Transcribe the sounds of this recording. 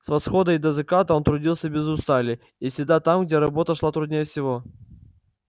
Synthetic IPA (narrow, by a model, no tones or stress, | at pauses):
svɐsxo̞d̪əd̪əzɨkat̪əont̪ɾʊdʲilˠsʲəbʲɪzʊst̪alʲɪ | isʲɪd̪at̪amɡdʲeɾɐbo̞t̪əʂlˠat̪ɾʊd̪nʲejəfsʲɪvo̞